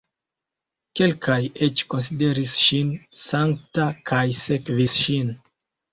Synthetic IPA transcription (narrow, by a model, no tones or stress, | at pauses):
ke̞lkʰaje̞t͡ʃko̞ns̬ide̞ɾisʃinsaŋktakʰajsekvisʃin